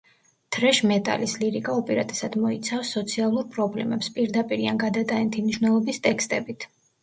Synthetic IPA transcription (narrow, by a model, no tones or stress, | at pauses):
d̪̥ɾɛʃmɛt̪ʼa̰lisliɾikʼaɔpʼɛɾat̪ʼɛ̥sad̪mɔit̪sʰafsːɔt̪sʰialˠuɾpʼɾɔblɛ̰mɛpspʼiɾd̪apʼiɾianɡad̪at̪ʼaɛnt̪ʰimniʃwnɛlˠɔbist̪ʼɛkst̪ʼɛbit̪ʰ